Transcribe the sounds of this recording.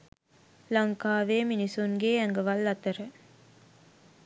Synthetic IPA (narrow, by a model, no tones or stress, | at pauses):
lɐŋkaːʋeːminisunɡeːæŋɡɐʋɐlːɐt̪ɐɾə